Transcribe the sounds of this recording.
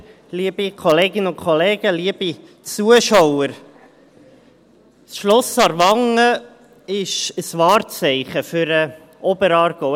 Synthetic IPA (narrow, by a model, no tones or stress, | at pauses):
liəb̥ikʰɔleːɡɪnəʊnkʰχɔleːɡ̥əliəb̥i | t͡suəʃowəɾ | sʃlɔsɑɾʋɑŋːə | ɪʃəsʋɑːrt͡sɛɪχəfʏɾə | ʔɔbəɾɑːɾɡ̥o